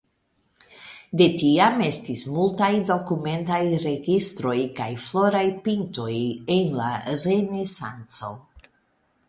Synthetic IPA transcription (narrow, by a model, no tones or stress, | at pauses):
de̞tiame̞stismultajdo̞kume̞ntajɾe̞ɡistɾo̞jkajflo̞ɾajpinto̞jenla̰ɾe̞nesa̰nt͡so̞̰